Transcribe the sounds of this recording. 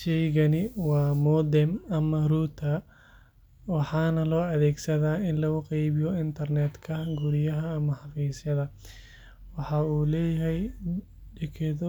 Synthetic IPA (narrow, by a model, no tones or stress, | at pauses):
ʃɛjɣɐnɪwɑːmɔːd̪ɛmɐmɐruːt̪ʰɐ | wɑħɑːnɐlɔːɐðɛːɡsɐðaːɪnlɐɣʊqɛjβɪjɔɪnt̪ʰɐrnɛːd̪kʰɐɡʊɽɪjɐɦɐːmɐħɑfiːsjɐðɐ | wɑħɑuːlɛːjɐɦɛj | ɖɛkʰɛð